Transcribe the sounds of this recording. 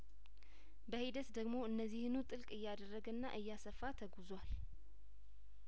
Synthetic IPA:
bəhid̪ət̪d̪əɡmo̞ɨnːəzːihɨnut̪ʼɨlkʼɨjːad̪ərːəɡənːa̰ʔɨjːasəfːat̪ʰəɡuzwal

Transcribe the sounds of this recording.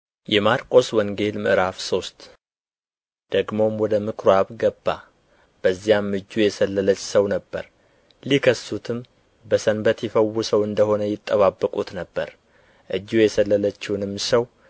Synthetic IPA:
jɛmaɾkʼo̞swɔŋɡe̞lmɨʔɾafso̞st̪ | d̪̥əɡmo̞mwɔd̪əmɨkʰɾaβɡəbːa̰ | b̥əzːijamːɨd͡ʒːujɛsəlːələt͡ʃːsəwnəbːə̰ɾ | likʰəsːut̪ʰɨm | bəsənbət̪jɪfəwːusəwɨnd̪əho̞nəjɪt̪ʼːəβabːəkʼut̪nəbːəɾ | ʔɨd͡ʒːujɛsəlːələt͡ʃːɪnɨmːsəw

